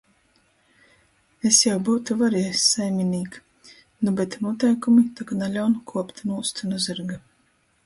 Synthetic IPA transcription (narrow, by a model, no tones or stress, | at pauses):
esjawbuːt̪uvaɾiɛsːajmʲiniːk | nubet̪nuɔt̪ɛjkumit̪akanalʲawnkʰuɔpt̪nuːst̪unuzɨɾɡa